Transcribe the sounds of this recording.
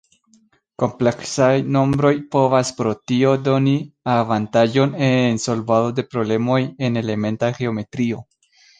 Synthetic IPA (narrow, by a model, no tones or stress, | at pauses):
ko̞mple̞ksajno̞mbɾo̞jpo̞vaspɾo̞tio̞do̞niavantaʒo̞nenso̞lvadode̞pɾo̞ble̞mo̞je̞ne̞le̞me̞ntaɡe̞o̞me̞tɾio̞